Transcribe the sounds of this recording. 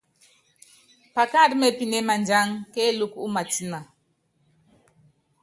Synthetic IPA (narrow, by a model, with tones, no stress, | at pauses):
pa˨ka˦˨ɾme˦pi˨ne˦ma˨nd͡ʒa˦ŋke˦lu˦ku˦ma˨ti˦na˨